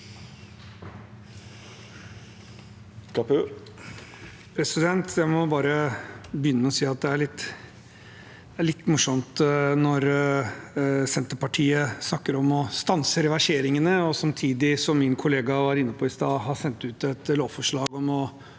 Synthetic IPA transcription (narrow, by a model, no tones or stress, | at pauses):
kɑpʉ | pʰɾɛsɪd̪ɛnt̪ʰjæɪmɔbɑːɾəbjʏnːəmɛɔsiːɑt̪̚d̪ɛæɭɪt̪ː | æɭɪt̪ːmʊʂɔmt̪nɔɾ | sɛnt̪əɾpɑʈʰiːəsnɑkːəɾɔmɔst̪ɑnsəɾɛʋæʂeːɾɪŋənəɔsɑmt̪ʰiːd̪ɪsɔmːɪnkʰʊleːɡɑʋɑɾɪnːəpʰɔɪst̪ɑːhɑsɛnt̪ʉːt̪ɛt̪loːʋfɔʂɭɑːɡɔmɔ